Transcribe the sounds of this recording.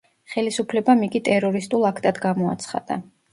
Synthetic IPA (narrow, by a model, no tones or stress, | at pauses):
χɛlisupʰlɛbamikʼit̪ʼɛɾɔɾist̪ʼulˠakʰt̪ʼad̪ɡamɔa̰t̪sʰχa̰d̪̥a̰